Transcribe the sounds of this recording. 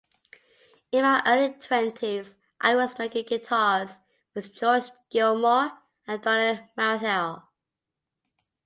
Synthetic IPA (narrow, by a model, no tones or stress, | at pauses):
ɪ̃naʔɜːlitʰw̥ɛ̃ntʰiz | ʔa̰ɪwɒzmeɪkɪ̃ŋɡɪtʰɑːz̥ | wɪðd͡ʒɔɹsɡ̥ɪlˠmɔ | ə̃ndɔnəmaʊθɛlˠ